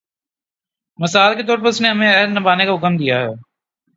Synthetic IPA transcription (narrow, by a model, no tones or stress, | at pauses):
mɪsaːlket̪ɔːɾpəsnẽɦɐmẽɛɦd̪nɐbaːnekaɦʊkəmd̪ijaɦɛː